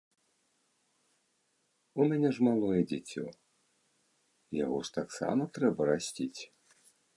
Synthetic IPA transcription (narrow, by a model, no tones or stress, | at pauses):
umʲanʲɛʐmalˠɔjɛd͡zʲɛt͡sʲːɔ̰ | ja̰ɣɔʂt̪aksa̰mɐt̪ɾɛbɐɾasʲtʲit͡sʲ